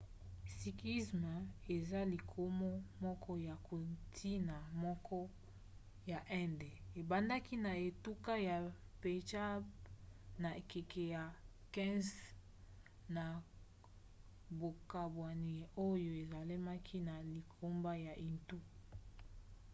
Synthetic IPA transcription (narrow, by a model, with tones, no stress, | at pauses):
si˨kli˦sma˨e˨za˦li˨kʰo˦mɔ˦mɔ˦kʰɔ˦ja˨kʰo˨tʰi˦na˨mɔ˦kʰɔ˦ | ja˨ʔɛ˦nde˨e˨ba˦nda˦ki˦na˨e˨tu˦ka˦ja˨pe˨t͡ʃa˦ | na˨e˨ke˨ke˨ja˨ | kɛ̃˦z | na˨ | bo˨ka˨bwa˨ni˨o˦jo˦e˨za˨le˦ma˦kʰi˦na˨li˨kʰo˦mba˦ja˨ʔi˨ntu˦